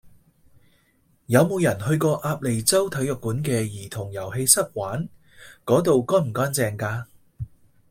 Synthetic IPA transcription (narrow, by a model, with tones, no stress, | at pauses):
jɐ˨˧wmo˨˧wjɐ˨˩nhɵ˧ɥkɔː˧ʔaː˧p̚le˨˩jt͡sɐ˥wt̪ʰɐ˨˥jœ˨kːuː˨˥nkɛː˧jiː˨˩t̪ʰʊ˨˩ŋjɐ˨˩wɦe˧jsɐ˥k̚waː˨˥n | kɔː˨˥t̪̬o˨wkɔː˥m̩˨˩kɔː˥nt͡sɛː˨ŋkaː˧